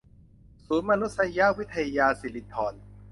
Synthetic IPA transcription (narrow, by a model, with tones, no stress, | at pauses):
suː˩˦nma˧nu˦˥t̪̚sa˧ja˦˥wi˦˥t̪ʰːa˧jjaː˧si˨˦li˦˥t̪ʰɔː˨˧n